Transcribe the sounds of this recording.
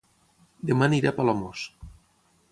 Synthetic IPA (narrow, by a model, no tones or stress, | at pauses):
d̪emaniɾapalɔmos